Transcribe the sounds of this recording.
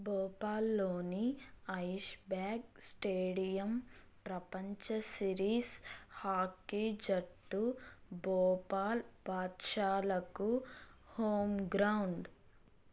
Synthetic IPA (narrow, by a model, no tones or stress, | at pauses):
bɔːpaːlːoːniɐjʃbaːɡ̚sʈeːɽijɐm | pɾɐpɐɲt͡ʃɐsiɾiːshaːkːid͡ʒɐʈːubɔːpaːlbʱaːt̪ʃaːlɐkuhoːmɡɾɐwɳɖ